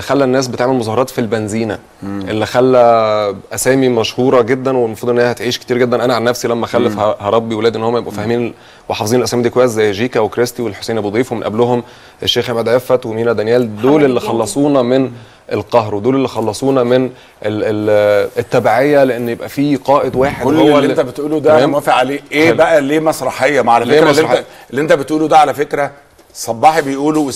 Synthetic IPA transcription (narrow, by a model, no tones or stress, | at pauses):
xælːænːæːs̬bet̪eʕmelmozˤɑhɑɾˤɑːt̪filbænziːnæ | ʔelːixælːæʔæsæːmimæʃhuːɾˤɑɡed̪ːænwenmɑfɾud̪ʔenːhæhæt̪ʕiːʃke̥t̪iːɾɡed̪ːænʔænæʕalnːæfsilæmːæxælːæfhɑɾˤɑbːiwelæːd̪ʔenːohomːæjebʔæfæhːemiːn | weħɑfezˤinelʔæsæːmid̪iːkowæjszæjːʒiːkæwekɾest̪iwelħosejnbod̪ˤiːfwemenʔæ̰blohom | ʔeʃːeːxʕemæd̪ʕefæt̪wemiːnæd̪ænjæːld̪oːlelːixɑlːɑsˤuːnɑmen | ʔelqɑɦɾwed̪oːlelːixɑlːɑsˤuːnɑmen | ʔeeet̪ːæbaʕejːæleʔenːjebʔæfiːqɑːʔed̪waːħedolːwæent̪æbet̪ʔuːlud̪æmæfiʕaleːʔeːbæʔæleːmæsˤɾˤɑħejːɑmʕalælfeeːɾmˤːɑħ | elːiʔent̪æbet̪ʔuːlud̪æʕalæfekɾæ | sˤɑbːɑːħbejʔuːluw